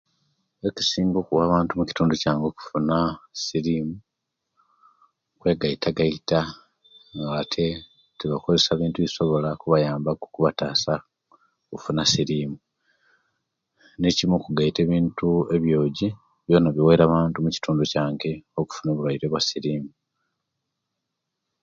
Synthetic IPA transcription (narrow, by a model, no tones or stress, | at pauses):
eki̥siːŋɡo̞ːkuwaːβaːntumuci̥tuːnducaːŋɡo̞ku̥funasiɾimu | kwe̞ːɡaitʰaɡaita | ŋɡatʰe̞ | tiβako̞ze̞saːβiːntuβiso̞βo̞lakuβajaːmbaɡukuβataːsa | kufunasiɾiːmu | ne̞cimokuɡaite̞ːβiːntue̞βjo̞ːɟi | βjo̞ːnaβjiwe̞ɾaβaːntumuci̥tuːnducaːŋɡe̞o̞ku̥funo̞ːβulwaiɾe̞βwasiɾiːmu